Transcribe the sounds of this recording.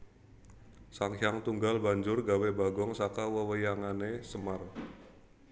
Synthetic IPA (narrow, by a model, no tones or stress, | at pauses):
saŋjaŋt̪uŋɡalbaɲd͡ʒʊrɡawebaɡɔŋsakawəwəjaŋanesəmar